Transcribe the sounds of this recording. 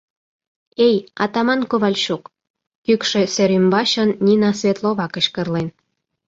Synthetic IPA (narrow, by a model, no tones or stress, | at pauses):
ejɑt̪ɑmɑnkoβɑlʲʃuk | kykʃeseɾymbɑɕə̆nːʲinɑsβʲet̪loβɑkə̆ɕkərlen